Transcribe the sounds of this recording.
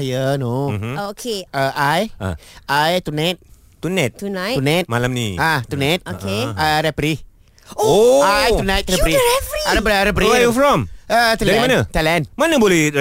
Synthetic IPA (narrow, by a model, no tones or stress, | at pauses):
ajənomokʰeəʔaj̰ | ajt̪unajt̚ | t̪unat̚tunajunãt̪̚malamniat̪unãt̪̚okeaɾɛpɾi | oajt̪unãjt̚ɾɛpɾiɛfaɾɛpɾiɾɛpɾijufɹɔ̃mətɛldaɾĩmãnət̪alɛ̃nmanəbolɛ